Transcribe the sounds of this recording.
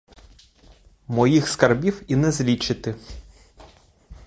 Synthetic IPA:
mɔjixskɐrbʲiwinɛzlʲit͡ʃɪt̪ɪ

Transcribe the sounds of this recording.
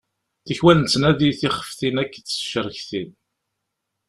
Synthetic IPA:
θəçwænnt͡sːnæðiθiχə̥fθinækːət͡sːə̥ʃəɾəçθin

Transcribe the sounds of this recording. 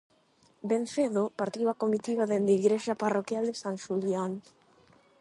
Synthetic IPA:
benθeðopaɾt̪iwakomit̪iβaðend̪iɣɾeʃaparokjald̪esaŋʃuljan

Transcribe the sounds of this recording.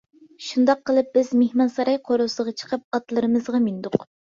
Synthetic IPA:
ʃund̪ɑqʰːəlˠɨp̚b̥ɪzmehmɑnsɑɾɑjqʰoɾosɨʁɑt͡ʃʰə̥qʰəp̚ɑt̪lˠɨɾɨmɨzʁɑmind̪ʊq

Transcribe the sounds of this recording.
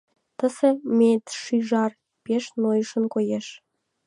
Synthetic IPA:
t̪ə̆sĕmʲet̪ʃiʒɑr | peʃnojəʃə̆nkojeʃ

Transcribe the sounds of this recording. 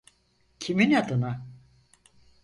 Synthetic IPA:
cʰiminad̪ɯna

